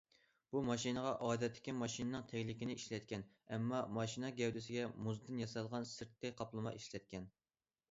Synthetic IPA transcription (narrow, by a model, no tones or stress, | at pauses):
b̥umɑʃinəʁɑʔɑːd̪ɛt̪ʰːɪ̥kʲimɑʃinɨnɨŋt̪ʰɛkʲlɪkʲɪnɪiʃlɛt̪̚kʲɛn | ɛmːɑmɑʃinɑɡʲɛwd̪ɪsɪɡʲɛmuzd̪ɪnjɑsɑlˠʁɑnsɨɾt̪̚kːɛjqʰɑplˠɨmɑ̰ʔiʃlɛt̪̚kʲʰɛn